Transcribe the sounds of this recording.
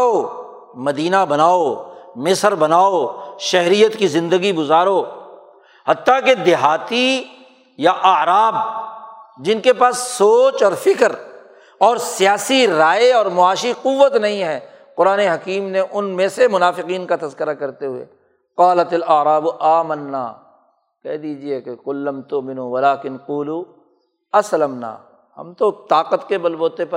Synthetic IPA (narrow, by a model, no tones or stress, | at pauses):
o | mɐd̪iːnabɐnaːomɪsəɾbɐnaːoʃɛɦɾijət̪kizɪ̃nd̪əɡiɡʊzaːɾoː | hɐt̪ːaked̪ɪɦaːt̪i | jaʔɐɾaːb | d͡ʒɪnkepaːsːoːt͡ʃɔːɾfɪkəɾ | ɔːɾsijaːsiɾaːeɔːɾmʊaːʃiqʊʋːət̪nɐɦĩɦɛː | qʊɾaːneɦɐkiːmneʔʊnmẽsemʊnaːfɪqiːnkat̪ɐzkɪɾakɐɾt̪eɦʊḛ | qaːlɐt̪ɐlɐʕɾaːbʔaːmənːa̰ː | kɛɦd̪iːd͡ʒiekeqʊlːɐmt̪ʊmɪ̃nuʋɐlaːkɪnquːlu | ɐslɐmna̰ː | hɐ̰mt̪ot̪aːqət̪kebɐlboːt̪epɐ